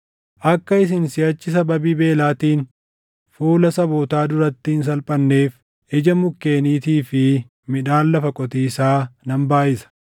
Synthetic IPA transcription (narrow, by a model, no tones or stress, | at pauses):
ʔɐkːɐɪs̬ɪnsɪjɐt͡ʃːɪs̬ɐbɐbiːbe̞ːlaːt̪iːn | fuːlɐsɐboːt̪aːd̪ʊɾɐt̪ːɪɪns̬ɐlpʼɐnːe̞ːf | ʔɛd͡ʒɐmʊkːe̞ːniːt̪iːfɪ | mɪᶑaːlːɐfɐkʼɔt̪iːsaːnɐmbaːʔɪsɐ̥